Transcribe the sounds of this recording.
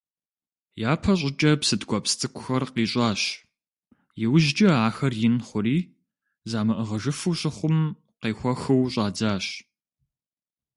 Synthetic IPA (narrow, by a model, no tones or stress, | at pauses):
jaːpʰɐɕ̬ʷʼɪt͡ʃʼɐpsɨdɡʷɔpstʰʼɨkʷʰʼʊxɐrqiːɕʼɑːɕ | jɪwʒd͡ʒɐaːxɐrjɪnχʷʊɾiː | zaːmɐʔəʁɐʒɨfɨwɕʼɪχʷʊm | qeːxʷɔxɨwɕʼɑːd͡zaːɕ